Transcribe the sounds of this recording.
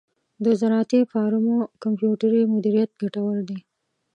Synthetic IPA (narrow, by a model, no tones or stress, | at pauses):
d̪əzaɾɑt̪ifɑɾumokampjuʈaɾimʊd̪iɾijat̪̚ɡaʈawəld̪i